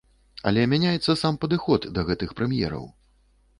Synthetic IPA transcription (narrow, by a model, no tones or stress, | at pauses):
ɐ̰lʲɛmʲanʲajɛt̪sːɐsampɐd̪ɨxɔd̪d̪ɐɣɛt̪ɨxpɾɛmjɛ̰ɾɐ̰w